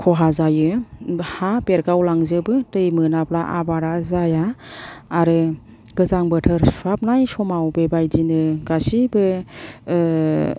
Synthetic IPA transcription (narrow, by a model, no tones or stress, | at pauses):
kʰɔɦazajɯhapeɾɡawlaŋzɯbɯtɯjmɯnaplaʔa̰baɾazajaː | ɾɯ | ɡ̥ɯzaŋbɯtʰɯɾsap̚najsɔmawbebajd͡ʒinɯɡasibɯ